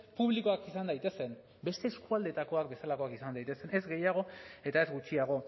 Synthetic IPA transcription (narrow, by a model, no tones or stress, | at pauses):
puβ̞liko̞akisand̪ajt̪e̞se̞n | be̞st̪e̞ːskuald̪e̞t̪ako̞ak̚be̞salako̞akisand̪ajt̪e̞se̞ne̞zɡe̞jaɣ̞o̞e̞t̪ae̞zɡut͡ʃiaɣ̞o̞